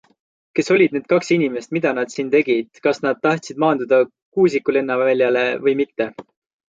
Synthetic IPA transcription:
ke̞so̞lʲid̪̥̚neːd̪̥kɑksinʲime̞st̪mid̪̥ɑnɑd̪̥siːnt̪e̞ɡ̥id̪̥kɑsnɑd̪̥̚t̪ːɑht̪sid̪̥mɑːnd̪ud̪̥ɑ | kuːsikːule̞nːɑvɑlʲjɑle̞vɤjmit̪ːe̞

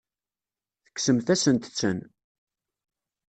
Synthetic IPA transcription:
θə̥kːsəmθæsənt̪t͡sːən

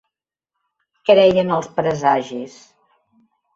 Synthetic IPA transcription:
kɾɛjənəlˠspɾəzaʒis

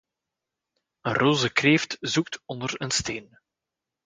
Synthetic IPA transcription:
ənroːzəkreːftzuk̚tɔndərənsteːn

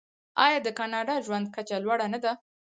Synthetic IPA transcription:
ɑ̰jɑd̪əkɑnɑɖɑʒwand̪̚kat͡ʃalwaɽanad̪a

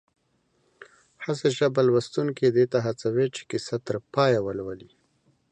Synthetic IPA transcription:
haseʒabalwast̪unked̪et̪aɦat͡sawet͡ʃe̥kɪsat̪əɾpɑjawəlwali

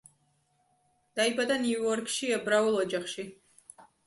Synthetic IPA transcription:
d̪̥aibad̪aniuuɔɾkʰʃiɛbɾaulˠɔd͡ʒaχʃi

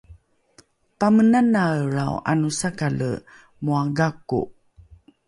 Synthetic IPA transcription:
pamənanaɾawʔa̰nusakalə̰ | muaɡakṵ

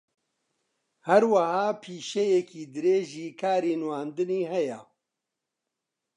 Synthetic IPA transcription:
hɛɾwɐhaːpʰiːʃɛjɛkʰiːd̪ɨɾeːʒiːkʰaːɾiːnwaːnd̪ɨniːhɛjɛ̰

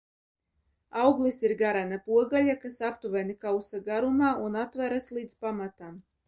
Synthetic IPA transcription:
awɡlˠisiɾɡaɾanapuɔɡaʎakasapt̪uvɛnikawsaɡaɾumaːʔunat̪væɾaslˠiːd̪zpamat̪am

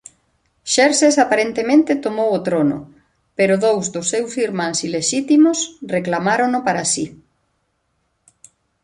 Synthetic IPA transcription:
ʃɛɾsesapaɾent̪emẽnt̪ɪt̪omowot̪ɾonʊ̰ | peɾʊðowzðʊsːewsiɾmãŋsileʃit̪imʊsreklamaɾonʊpaɾasi

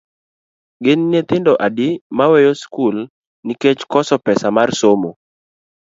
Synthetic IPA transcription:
ɡɪnːet̪ɪndɔʔadɪmawɛjoskul | niket͡ʃkɔsɔpɛsamarsomo

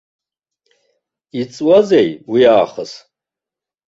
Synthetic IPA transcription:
it͡sʼwazejwiaːχəs

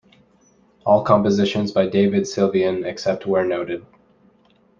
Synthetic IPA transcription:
ɔlˠkʰɑ̃mpɨzɪʃɨ̃nzbaɪdeɪvɨd̥sɪlˠviɨ̃nɨksɛp̚t̚wə˞noʊɾɨd̥̚

